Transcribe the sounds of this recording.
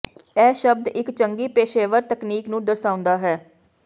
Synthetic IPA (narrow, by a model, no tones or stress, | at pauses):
ɛːʃəb̚d̪ɪkt͡ʃəŋɡiːpeːʃeːʋəɾt̪əkniːknũːd̪əɾsaːʊ̃nd̪aːɦɛː